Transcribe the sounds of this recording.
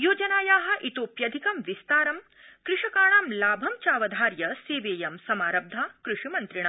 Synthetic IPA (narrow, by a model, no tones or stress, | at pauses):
joːd͡ʒɐnaːjaːɦɐ̆ʔit̪oːpjɐd̪ʱikɐmʋist̪aːɾɐm | kɾɪʂɐkaːɭaːmlaːbʱɐmt͡ʃaːʋɐd̪ʱaːɾjɐseːʋeːjɐmsɐmaːɾɐb̚d̪ʱaːkɾuʂimɐnt̪ɾiɳ̃a